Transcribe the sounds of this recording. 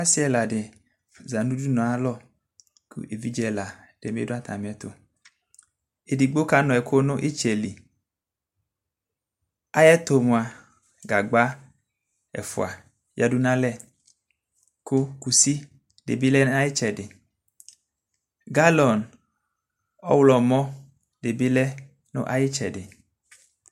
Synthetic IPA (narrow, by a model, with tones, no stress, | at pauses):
a˦si˦ɛ˦la˨dɪ˨ | za˨nu˦du˦nɔ˨a˨˦lɔ˦ | kʰṵ˦e˨vi˦d͡ʒɛ˨la˨ | d̥e˨mḛ˦dʊ˦a˦t̪ʰa̰˨m˨ɛ˦t̪o̰˨ | e˨di˨ɡ͡bo˦ka˨˦nɔ˨ɛ˨kʰo˦nʊ˦ʔe˦t͡ʃɛ˨li˨ | a˦jɛ˦t̪o˨mʊ˨a˨ | ɡa˨ɡ͡ba˦ | ɛ̰˨fʊ̰˨a˨ | ja˨du˦nã˦lɛ˦˨ | kʊ˦ku˨si˦ | dḛ˨bi˦lɛ˦n˦a˦jɪ˦t͡ʃɛ˨dɪ˨ | ɡa˦lɔ˨n | ɔ̰˦wlɔ˨mɔ̃˦ | de˨bi˦lɛ˦ | nʊ̰̃˦ʔa˦jɪ˦t͡ʃɛ˨dɪ˨